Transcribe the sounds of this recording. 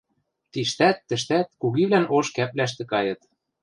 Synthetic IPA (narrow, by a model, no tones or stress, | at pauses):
t̪iʃt̪æt̪ːɘ̆ʃt̪æt̪̚kuɣiβlænoʃkæplæʃ̬t̪ĕkɑjɤ̆t̪